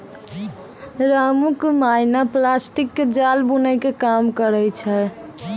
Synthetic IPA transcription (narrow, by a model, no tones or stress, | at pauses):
ɾamukmajnaplasʈikːed͡ʒalbunəjkekamkəɾɛjt͡ʃʰɛ